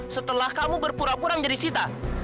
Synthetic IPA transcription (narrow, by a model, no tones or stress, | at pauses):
sət̪əlahkamubərpuɾapuɾaŋd͡ʒadisit̪a